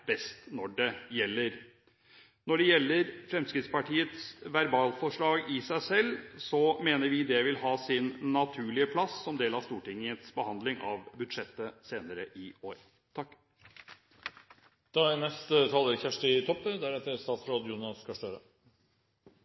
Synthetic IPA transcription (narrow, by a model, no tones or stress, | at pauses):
b̥ɛst̪nɔɖɛjɛlːəɾ | nɔɖɛjɛlːəɾfɾɛmskɾɪt̪spɑʈʰiːət̪sʋæɾbɑːlfɔʂɭɑːɡɪsæɪsɛlːsɔmeːnəɾʋɪd̪ɛʋɪlhɑːsɪnːɑt̪ʰʉːɭɪəpʰlɑsːɔmd̪eːlɑʋst̪uːʈɪŋət̪sbəhɑnd̪lɪŋɑ̰ʋbʉd̪ʂɛt̪ːəseːnəɾəʔɪoːɾ | t̪ʰɑkː | d̪̥ɑænɛst̪ət̪ʰɑːləɾçæʂʈɪt̪ʰɔpːəd̪æɾɛt̪ːəɾst̪ɑːsɾoːd̪juːnɑskʰɑʂʈøːɾə̰